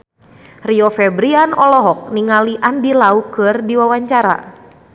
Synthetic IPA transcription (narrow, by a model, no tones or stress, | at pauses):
riɔfɛbɾianɔlɔɦɔk̚niŋaliʔandilaukɨrdiwawaɲt͡ʃaɾa̰